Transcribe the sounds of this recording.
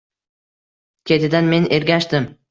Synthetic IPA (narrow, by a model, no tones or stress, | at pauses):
kʲʰe̞t̪ʰɪd̪anme̞nʔe̞ɾɡʲaʃt̪ɪm